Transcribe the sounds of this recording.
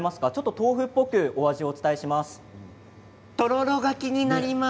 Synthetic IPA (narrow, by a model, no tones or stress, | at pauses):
masɨ̥kat͡ɕo̞t̪ːo̞t̪o̞ːɸɯ̟pːo̞kɯ̟o̞aʑio̞ːt͡sɨ̥t̪aeɕimasɨ̥ | t̪o̞ɾo̞ɾo̞ɡakʲiɲ̟inaɾʲima